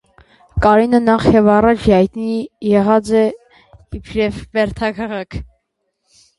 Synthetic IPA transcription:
kɑɾinənɑχjɛvɑrɑt͡ʃʰɑjt̪nijɛʁɑt͡sɛ | ipʰɾɛvvɛɾt̪ʰɑkʰɑʁɑkʰ

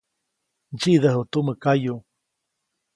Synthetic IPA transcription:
d͡ʒid̪əɦut̪uməkaju

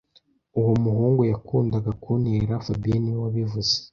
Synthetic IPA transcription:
uwomuɦuːŋɡojakuːndaɡakuniɾafabiniwaβivuze̥

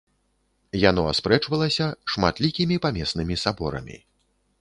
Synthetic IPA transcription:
jan̪ɔa̰spɾɛt͡ʂvɐlˠɐsʲɐʂmat̪lʲikʲimʲipamʲɛsnɨmʲisabɔɾɐ̰mʲḭ

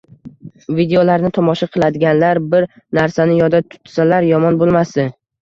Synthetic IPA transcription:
vid̪eolaɾnɪt̪ʰɒmɒʃaqʰɨlˠad̪ɪɡʲanlaɾbɪɾ | naɾsanɪjɒd̪at̪ʰʊ̥t̪salaɾjɒmɒnbolˠmasd̪ɪ

